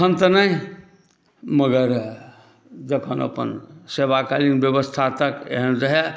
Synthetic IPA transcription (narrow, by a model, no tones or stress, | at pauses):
ənt̪ənəɦ | məɡəɾ | d͡ʒəkʰənə̰pə̰nsebakalinbjəbəst̪ʰat̪əkḛɦənd͡ʒəɦe